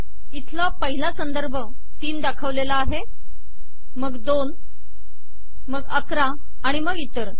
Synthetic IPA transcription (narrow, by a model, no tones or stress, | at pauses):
it̪ʰlapəɦilasənd̪əɾbʱə | t̪iːnd̪akʰəʋlelaːɦe | məɡd̪on | məɡəkɾaː | ɽ̃iməɡit̪əɾ